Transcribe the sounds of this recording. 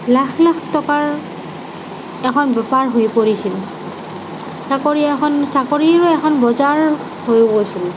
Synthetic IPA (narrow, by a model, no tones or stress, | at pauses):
laxʰlakʰtɔkaɹ | ɛkʰɔnbɛpaɹɦojpoɹisil | sakoɹiaɛkʰɔnsakoɹiaɹɔɛkʰɔnbɔzaɹ | hojbojsil